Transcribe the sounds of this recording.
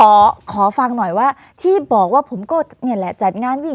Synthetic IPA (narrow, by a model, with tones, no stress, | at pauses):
kʰɔː˩˦kʰɔː˩˦fa˧ŋnɔ˨˩jwaː˥˩ | t̪ʰiː˥˩bɔː˨˩k̚waː˥˩pʰo˩˦mkɔː˥˩ni˧˩əlɛ˨˧˩t͡ɕa˨˩t̪̚ŋaː˧˥˨nwi˦˥˨